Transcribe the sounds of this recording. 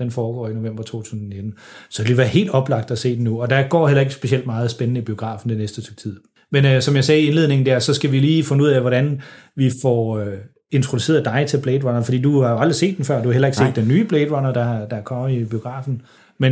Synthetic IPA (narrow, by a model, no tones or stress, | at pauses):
d̥enfɒːɡ̥ɒ̰ːino̝ʋem̰b̥ɐt͡sʰo̝̰ːt͡sʰuːsn̩ɒned̥n̩sɒʋeldieʋæɐɦe̝̰ːld̥ɒ̽b̥lɑ̈ɡ̥̚d̥æse̝̰ːd̥n̩nuɒ̽d̥ɑ̈ɡ̥ɒ̰ːɦel̰ɐe̝ɡ̥sb̥e̝iel̰d̥̚mɑ̈ːð̩ˠsb̥ennəib̥io̝ɡ̥ʁɑ̰̈ːfn̩d̥enesd̥ət͡sʰyɡ̥t͡sʰið̰ˠ | mensɒ̽mjɑ̈ɪsɛːienle̝ð̞̰ˠne̝ŋn̩d̥æɐɐsɒ̽sɡ̥æʋiliːfenuð̰ˠæʋɒɾænʋifɒø | e̝nt͡sʰʁo̝ɾuse̝̰ːɐð̩ˠd̥ɑ̈ɪt͡sʰe̝lb̥lɛɪd̥ʋɒnɐfɒ̽d̥ḭːduhɑ̈joɑ̈ld̥ʁise̝̰ːd̥enfɶɐ̰duhɑ̈ɦelɐe̝ɡ̥sḛːd̥ːenːyːb̥leɪd̥ʋɒnɐd̥ɑ̈ɑd̥ɑæɐkʰɒ̽m̰̩ˠib̥io̝ɡ̥ʁɑ̰̈ːfn̩ | men